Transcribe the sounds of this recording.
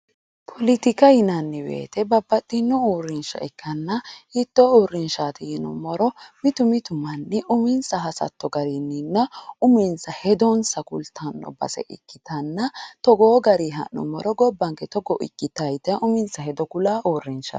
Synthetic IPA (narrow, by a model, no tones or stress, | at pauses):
pʰɔlɪt̪ɪkɐjɪnɐnːɛbḛːt̪ɛbɐbːɐt̪ʼːɪnːɔuːrːɪnʃɐ̰ɛkːɐnːɐhɪt̪ːɔuːɾːɪnʃaːt̪ɪjɪnɔ̰mɔɾɔmɪt̪ʊmɪt̪ʊmɐnːɛʔʊmɪnsɐɦɐsɐ̰t̪ːɔɡɐɾɪnːɪnːɐʊmɪnsɐhɛd̪ɔnsɐkʊlt̪ʰɐnːɔ̰bɐ̰sɛ̰ʔɪ̰kːɪt̪ɐnːɐt̪ɔɡoːɡɐɾiɦɐ̰nːɔ̰mɔɾɔɡɔbːɐŋkɛt̪ɔɡɔʔɪ̰kːɪt̪ɐjt̪ɐʊmɪnsɐhɛd̪ɔkʊlaːʔoːrːɪnʃɐ̰